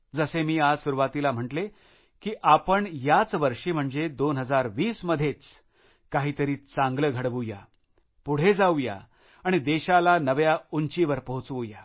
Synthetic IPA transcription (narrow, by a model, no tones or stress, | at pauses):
d͡zəsemiːad͡zsuɾuʋat̪ilam̤əʈle | kiːʔapəɳjat͡sʋəɾʂiːm̤əɳd͡zed̪onɦəd͡zaɾʋiːsməd̪ʱjet͡s | kaɦiːt̪əɾiːt͡sãŋɡləɡʱəɽʋuja̰ | puɽ̤ed͡zauja̰ | aɽ̃id̪eɕalanəʋjauɲt͡ɕiʋəɾpəɦut͡sʋuja